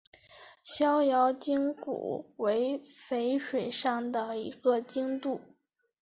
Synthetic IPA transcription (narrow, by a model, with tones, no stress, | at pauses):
ɕjɑ˥ʊjɑ˧˥ʊt͡ɕi˥ŋkṵ˨˩we˧˥ɪfe˧˥ɪʂwe˨˩ɪʂɑ˥˩ŋd̪ə˩i˧˥ɡ̥ə˧t͡ɕi˥ŋt̪u˥˩